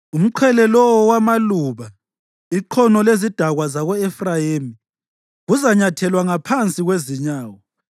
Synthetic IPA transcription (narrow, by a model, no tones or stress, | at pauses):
um̩ǃʰwɛlɛlɔwɔwamaluβa | iǃʰɔnɔlezid̥ʱaɣwazaɣɔɛfrajemi | ɣuzaɲatʰɛlwaŋapʰant͡sʼiɣweziɲaːwɔ